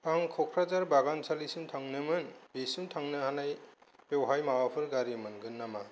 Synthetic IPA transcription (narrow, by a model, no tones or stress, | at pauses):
paŋkʰɔkʰɾazaɾbaɡansʰalisɯmtʰaŋnɯmɯnbisɯmtʰaŋnɯɦanajpewɦajmawapʰɯɾɡaɾimɯnɡɯnːama